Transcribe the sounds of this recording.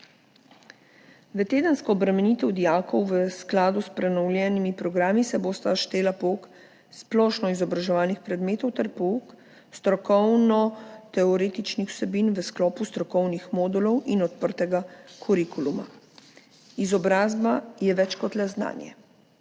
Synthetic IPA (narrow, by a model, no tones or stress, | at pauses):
ʋət̪eːd̪ənskɔːbɾamɛniːt̪ɛwd̪ijaːkɔwʋəsklaːd̪uspɾɛnɔwlʲjɛnimipɾɔɡɾaːmisɛboːst̪aʃt̪eːlapok | splɔːʃnɔizɔbɾaʒɛʋaːlnixpɾɛd̪meːt̪ɔwt̪ɛɾpɔuk | st̪ɾɔkɔwnɔt̪ɛɔɾeːt̪it͡ʃnixw̥sɛbinʋəsklɔːpust̪ɾɔkɔwnixmɔːd̪ulɔwinɔt̪̚pəɾt̪ɛɡakʰɔɾikuluma̰ | izɔbɾaːzbajɛʋɛt͡ʃkɔt̪lɛzna̰ːnjɛ̰